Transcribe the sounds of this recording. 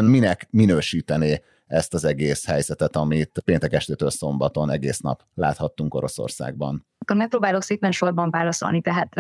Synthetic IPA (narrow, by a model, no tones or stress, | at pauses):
nminɛkminøːʃiːt̪ɛneː | ɛst̪ɒzɛɡeːshɛjzɛt̪ɛt̪ɒmit̪peːnt̪ɛkɛʃt̪eːt̪øːlso̞mbɒt̪o̞nɛɡḛːsnɒ̰p | la̰ːt̪hɒt̪ːuŋko̞ɾo̞so̰rsa̰ːɡ̚bɒ̰n | kːormɛk̚pɾoːbaːlo̞kseːpɛnʃo̞rbɒɱvaːlɒso̰lnit̪ɛɦaːt̪